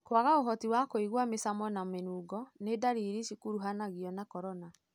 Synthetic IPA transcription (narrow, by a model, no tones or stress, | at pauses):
kwaɣaoɦɔtiwakoiɣwamesamɔnamenuːɡɔnedaɾiɾiʃikuɾuɦanaɣiɔnakɔɾɔna